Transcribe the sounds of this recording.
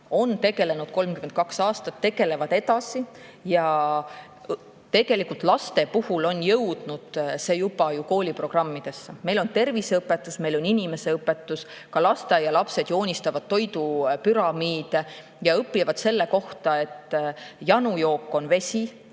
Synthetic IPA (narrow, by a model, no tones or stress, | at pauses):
o̞nt̪e̞ɡ̥e̞le̞nud̪̚ko̞lmkymend̪̚kɑksɑːst̪ɑt̪ːe̞ɡ̥e̞le̞vɑd̪̥e̞t̪ɑsijɑ | t̪e̞ɡ̥e̞likult̪ˑlɑst̪e̞puhulo̞njɤwd̪̥nud̪̥se̞ːjupɑjuko̞ːlʲipro̞ɡ̥rɑmːid̪̥e̞sːɑme̞jlo̞nt̪e̞rviseɤpːˑe̞t̪ːˑusme̞jlo̞ninʲime̞se̞ɤpːˑe̞t̪ːˑus | kɑlɑst̪ejɑlɑpse̞d̪jo̞ːnʲist̪ɑvɑd̪̥̚t̪ːo̞jd̪upyɾɑmiːd̪̥e | jɑɤpːˑivɑd̪se̞lːe̞ko̞ht̪ɑe̞t̪ːjɑnujo̞ːkːˑo̞nve̞sʲi